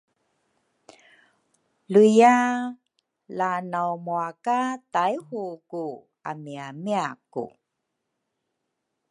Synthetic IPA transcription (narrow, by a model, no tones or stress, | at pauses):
luja | lanawmuakatajhuku | amiamiakṵ